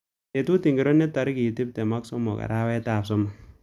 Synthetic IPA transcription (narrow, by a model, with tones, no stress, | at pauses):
e˨t̪u˦ti˨ŋɡi˨ɾo˦nːe˦t̪ɐ˨ɾki˨ti˦p̚t̪e˨ma˦kso˦mːo̰˨ka̰˨ɾa˦wɛ˦taː˨psɔ˦m